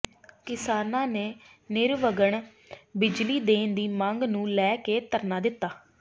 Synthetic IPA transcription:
kɪsaːnãːneː | nɪɾʋəɡəɳ | bɪd͡ʒliːd̪eːnd̪iːmãŋɡnũːlɛːkeːt̪əɾnaːd̪ɪt̪ːaː

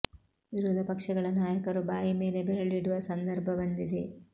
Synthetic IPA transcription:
ʋiɾud̪ʱɐpɐkʂɐɡɐɭɐnaːjɐkɐɾubaːjime̞ːlebɛɾɐɭiɽuʋɐsɐnd̪ɐɾbʱɐʋɐnd̪id̪e̞

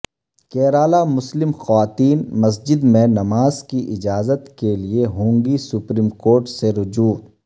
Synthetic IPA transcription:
kɛːɾaːlamʊslɪmxɐʋaːt̪iːnmɐs̬d͡ʒɪd̪mẽnɐmaːzkiʔɪd͡ʒaːzət̪kelieɦõːŋɡisʊpɾiːmkoːɾʈseɾʊd͡ʒuːd̪

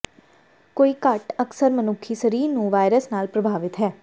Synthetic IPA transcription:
koːiːkəʈəksəɾmənʊkʰːisəɾiːɾnũːʋaːɪɾəsnaːlpɾəbʱaːʋɪt̪ɦɛː

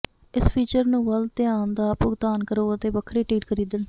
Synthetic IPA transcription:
ɪspʰiːt͡ʃəɾnũːʋəlt̪ɪaːnd̪aːpʊɡt̪aːnkəɾoːət̪eːbəkʰːɾiːʈiːʈkʰəɾiːd̪ən

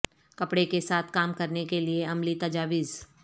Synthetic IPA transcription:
kɐpɽekesaːt̪ʰkaːmkɐɾnekelieɐmlit̪ɐd͡ʒaːʋiːz

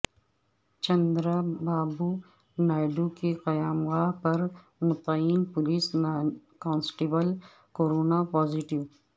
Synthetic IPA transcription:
t͡ʃɐ̃nd̪ɾabaːbu | naːɪɖukeqɐjaːmɣaːɦpɐɾ | mʊt̪əiːnpʊliːskãːnsʈibəl | koːɾoːnapɔːziʈɪʋ

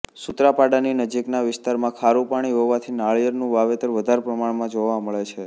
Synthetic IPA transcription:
sut̪ɾapaɽaninəd͡ʒiknaʋɪst̪aɾmãkʰaɾupaɽ̃iɦoʋat̪ʰinaɭjəɾnũʋaʋet̪əɾʋəd̪ʱaɾpɾəmaɳmãd͡ʒoʋaməɭet͡ʃʰe

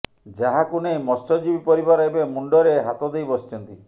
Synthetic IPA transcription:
d͡ʒaɦakunejmɔsɔd͡ʒibipɔɾibaɾajbemuɳɖɔɾeɦat̪ɔd̪ejbɔst͡ʃɔnt̪i

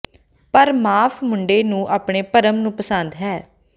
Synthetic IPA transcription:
pəɾmaːpʰmʊɳɖeːnũːʔaːpɳeːpəɾəmnũːpəsənd̪ɦɛː

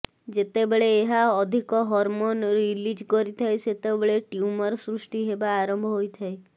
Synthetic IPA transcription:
d͡ʒet̪ebeɭeːɦaɔd̪ʱikɔɦɔɾmonɾilid͡ʒkɔɾit̪ʰaeset̪ebɭeʈjumɔɾsɾusʈiɦebaːɾɔmbʱɔɦojt̪ʰae

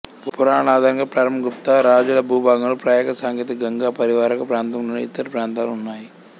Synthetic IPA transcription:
puɾaːnaːd̪ʱaːɾɐŋɡaːpɾaːɾɐmɐɡupt̪aːɾaːd͡ʒulɐbʱuːbʱaːɡɐlopɾaːjɛːkɐsaːŋkjɐt̪iɡɐŋɡaːpɐɾiʋaːɾɐkɐpɾaːnt̪ɐmloniit̪ːɐɾɐpɾaːnt̪aːluunːaːji

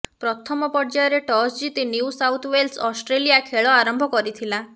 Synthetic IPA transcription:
pɾɔt̪ʰɔmɔpɔɾd͡ʒajɔɾeʈɔsd͡ʒit̪injuusawt̪ʰwelsɔsʈɾelijakʰeɭɔaɾɔmbʱɔkɔɾit̪ʰila

